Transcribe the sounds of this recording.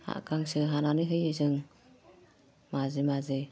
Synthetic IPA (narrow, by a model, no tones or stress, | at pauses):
ha̰ʔkaŋsɯɦananɯɦɯjɯzɯŋ | mazemazɯ